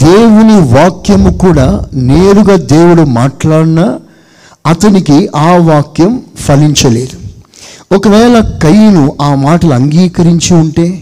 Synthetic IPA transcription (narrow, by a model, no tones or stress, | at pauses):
d̪̥eːwuniʋaːkjɐmukuːɽaːneːɾuɡaːd̪e̞ːwuɽumaːʈlaːɽunɐ | ɐt̪ɐnikiaːʋaːkjɐmpɐliɲt͡ʃɐle̞ːd̪u | ɔkɐʋɛːlɐkɐjnuʔaːmaːʈɐluɐŋɡiːkɐɾiɲt͡ʃiuɳʈe̞ː